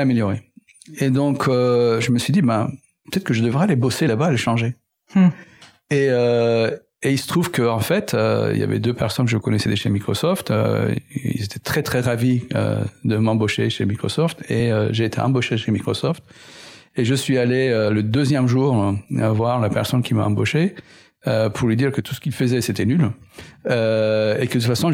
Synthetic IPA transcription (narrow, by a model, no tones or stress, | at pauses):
ameljɔʁe | ed̪ɔ̃kʰøʒəməsɥid̪ibɛ̃ | pə̥t̪ɛt̪χkəʒəd̪əvʁɛalebɔselabaːleʃɑ̃ʒe | eø | eilsə̥t̪χuvkəɑ̃fɛt̪ʰø̰ḭlja̰vɛ̰d̪øpɛʁsɔnkəʒəkɔnɛsɛd̪eʃemikχɔsɔft̪ø̰ḭlzet̪ʰɛ̥t̪χɛt̪χɛʁaviø̰d̪əmɑ̃boʃeʃemikχɔ̰sɔft̪eøʒeːt̪ʰḛʔɑ̃boʃeʃemikχɔsɔft̪ | eʒəsɥialeøləd̪øzjɛmʒuːʁavwaʁlapɛʁsɔnkʲʰima̰ɑ̃boʃe | øpʰuʁlɥid̪iʁkət̪u̥sə̥kʲilfəzɛset̪ɛnyl | øekəd̪ət̪ut̪fasɔ̃